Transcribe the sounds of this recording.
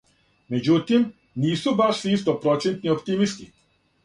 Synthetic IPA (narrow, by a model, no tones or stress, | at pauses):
med͡ʒut̪im | niːsubaʃsiist̪opɾɔt͡ʃɛnt̪niopt̪imist̪i